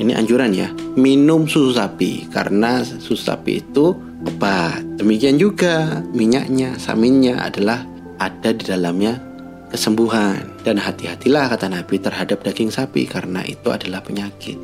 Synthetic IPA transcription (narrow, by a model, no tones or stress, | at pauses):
iniʔa̰ɲd͡ʒuɾanja̰minʊmsususapḭka̰ɾənasusu̥sa̰pḭːt̪u | əbat̪̚d̥əmikiand͡ʒuɡamiɲa̰ʔɲasa̰mɪnɲaa̰dalah | ʔadadidalamɲa | kəsəmbuɦandanɦat̪iɦat̪ilahkat̪anabit̪ərɦadap̚daɡɪŋsapḭkaɾəna̰ʔḭt̪ua̰dalahpəɲakɪ̰t̪̚